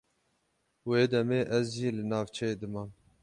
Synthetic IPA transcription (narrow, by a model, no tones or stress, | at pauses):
weːd̪ɛmeːʔɛzʒiːlɨnɑːvt͡ʃʰɛjeːd̪ɨmɑːn